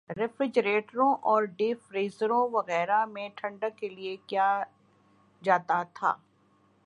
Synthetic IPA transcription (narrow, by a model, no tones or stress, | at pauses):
ɾɪfɾɪd͡ʒɾeːʈɾõʔɔːɾɖeːfɾiːzəɾõʋɐɣɛːɾamẽʈʰɐ̃ɳɖəkːeliekjaː | d͡ʒaːt̪at̪ʰa̰ː